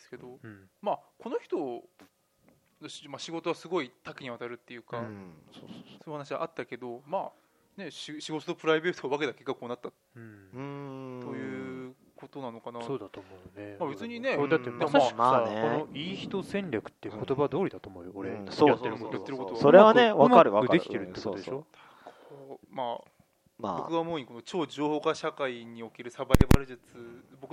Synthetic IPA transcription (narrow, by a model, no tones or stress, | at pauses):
d̪esɨ̥ke̞d̪o̞mako̞no̞çi̥t̪o̞ | noɕmaɕiɡo̞t̪o̞βasɨɡo̞it̪akiɲ̟iβat̪aɾɯ̟t̪ːe̞jɯ̟ːkasoːso̥ːsoːjɯhanaɕ̬iβa̰ʔat̪ːake̞d̪o̞maː | ne̞ɕɕiɡo̞t̪ot̪opɯ̟ɾaibe̞ːt̪ʰoβake̞t̪akʲe̞kːakɯ̟mːonat̪ːã | ojɯ̟ː | ko̞t̪o̞nano̞kanasoːd̪at̪omojonemabe̞t͡sɨɲ̟ine̞od̪at̪ːed̪amḁkmaekonoiːçi̥t̪o̞sẽ̞ɲɾʲakɯ̥t̪ːeɯkot̪o̞bad̪o̞ːɾʲid̪at̪oːmoːjooɾesojatseɾɯmojat̪eɾɯ̟ko̞t̪ooɾeβaneβamaaɾɯβaɯad̪eit̪e̞ɾɯ̟t̪ekotːt̪od̪eʃo | kʰo̥maː | ma̰okɯ̟βamoːiɲ̟iko̞not͡ɕo̞ːd͡ʑo̞ːho̞ːkaɕakaiɲ̟io̞keɾɯ̟sabadeba̰ɾɯ̟ʑɨt͡sɨbokɯ